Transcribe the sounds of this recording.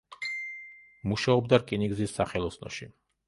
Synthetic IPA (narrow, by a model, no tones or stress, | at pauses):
muʃaɔbd̪aɾkʼiniɡzisːaχɛlˠɔsnɔ̰ʃi